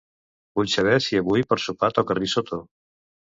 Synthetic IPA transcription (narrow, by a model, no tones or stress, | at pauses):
buʎʲsaβɛsiaβujpɔɾsupat̪ɔkarisot̪ʰo